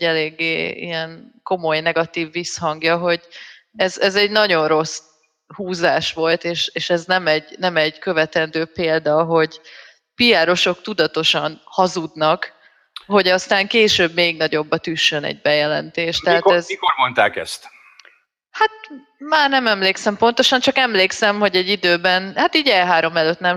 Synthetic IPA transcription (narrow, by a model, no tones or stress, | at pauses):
ɛleːɡːḛːḭjɛnko̞mo̞jnɛɡɒt̪iːvːishɒŋɡjɒɦo̞ɟ | ɛzɛzɛɟnɒɟo̞nro̞s | huːzaːʃʋo̞lt̪eːʃeːʃɛznɛmɛɟnɛmɛɟkøvɛt̪ɛnd̪øːpeːld̪ɒɦo̞ɟ | pijaːɾo̞ʃo̞kt̪ud̪ɒt̪o̞ʃɒnhɒzud̪nɒk | ho̞ɟɒst̪aːŋkeːʃøːbmeːɡnɒɟo̞bːɒt̪yʃːønɛ̰ɟ̚bɛjɛlɛ̰nt̪eːʃt̪ɛaːtɛzikormont̪a̰ːkɛ̰st̪ | hat̪̚ | maːrnɛmɛmleːksɛmpo̞nt̪o̞ʃɒnt͡ʃɒkɛmleːksɛmho̞ɟɛɟːid̪øːbɛnhat̪iːɟɛːɦaːɾo̞mɛløt̪nɛm